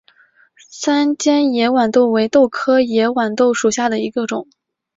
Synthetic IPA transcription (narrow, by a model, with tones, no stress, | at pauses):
sa˥nt͡ɕjɛ˥njɛ˧˥wa˨˩nt̪o˥˩ʊwe˧˥ɪt̪o˥˩ʊkʰɤ˥jɛ˧˥wa˨˩nt̪o˥˩ʊʂu˨˩ɕja˥˩d̪ə˩i˧˥ɡə˧ʈ͡ʂʊ˨˩˦ŋ